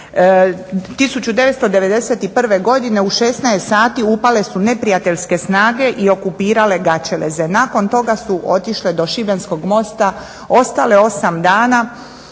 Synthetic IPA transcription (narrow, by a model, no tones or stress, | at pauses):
t̪isut͡ɕud̪e̞ʋet̪st̪od̪e̞ʋe̞d̪e̞se̞t̪ipr̩ʋe̞ɡo̞d̪ine̞uʃe̞snajest̪saːt̪iupale̞sune̞pɾijat̪eʎʲske̞snaːɡe̞ʔio̞kupiːɾale̞ɡat͡ʃelḛze̞nako̞nt̪o̞ɡasuʔo̞t̪iʃled̪o̞ʃibensko̞ɡmo̞st̪a | o̞st̪ale̞o̞samd̪aːna